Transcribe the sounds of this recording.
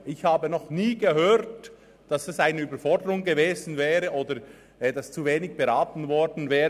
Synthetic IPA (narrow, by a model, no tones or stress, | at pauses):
ʔɪçhaːbənɔχniːɡəhøːɾt | d̥ɑsɛsaɪnəyːbəɾfɔɹdəʁʊŋɡəveːzn̩vɛːʁəʔoːdə | ɛːdast͡suveːnɪɡb̥əʁaːtn̩vɔɾdn̩vɛːə